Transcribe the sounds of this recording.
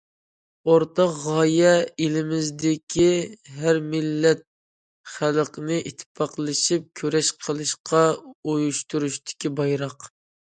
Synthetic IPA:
oɾt̪ɑqʁɑjɛilɪmɪzd̪ɪkʲʰiɦæɾmɪlːɛt̪̚ | χælqʰənɨʔit̪ʰːpʰɑqlˠɨʃip̚kʲʰøɾɛʃqʰəlˠɨʃqʰɑojuʃt̪uɾuʃt̪ʰɪ̥kʲibɑjɾɑq

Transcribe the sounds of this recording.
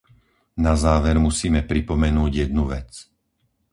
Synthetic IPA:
nazaːʋɛɾmusiːmɛpɾipɔmɛnuːɟjɛd̪̚nuʋɛt͡s

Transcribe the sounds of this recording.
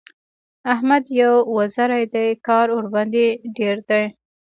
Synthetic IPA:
ahmad̪jawwazaɾajd̪ajkɑɾoɾband̪iɖeɾd̪aj

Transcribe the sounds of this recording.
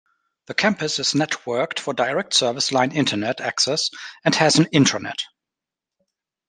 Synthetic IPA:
ðəkʰæ̃mpɨsɨznɛtʰwɜ˞ktfə˞daɪɹɛk̚tsɜ˞vɨslãɪ̃nɪ̃ntʰənɛtæksɛsɨ̃nhɨz̃n̩ɪ̃ntʰənɛ̰t

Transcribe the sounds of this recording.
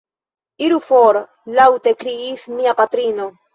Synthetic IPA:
iɾufoɾ | lawte̞kɾiismiapat̪ɾino̞

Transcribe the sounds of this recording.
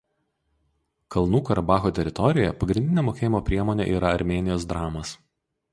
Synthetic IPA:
kɐlˠnuːkɐɾʔɐbɑːxoːt̪ʲɛɾʲɪt̪ɔɾʲɪjjɛpɐɡɾʲɪnʲd̪ʲɪnʲeːmoːkʲeːjɪmoːpʲɾʲiɛmoːnʲḛːʔiːɾɐɐɾʲmʲeːnʲɪjoːsd̪ɾɑːmɐs

